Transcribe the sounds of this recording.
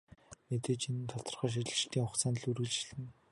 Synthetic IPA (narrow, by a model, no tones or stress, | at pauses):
met̪eːt͡ɕinnt̪ʰɔt̪ɞ̆rχœːʃ̬it͡ɕʲɪ̆t͡ɕɪ̆ɬt̪ːiːŋχʊχt͡saːnɮurɣɘ̆ɮt͡ɕɪ̆ɮɘ̆n